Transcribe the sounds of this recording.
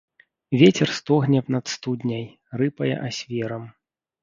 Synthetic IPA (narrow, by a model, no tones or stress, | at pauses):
vʲɛt͡sʲɛrst̪ɔɣnʲɛpnɐt̪st̪ud̪ʲnʲɐj | rɨpɐjɐ̰ʔasʲvʲɛɾɐm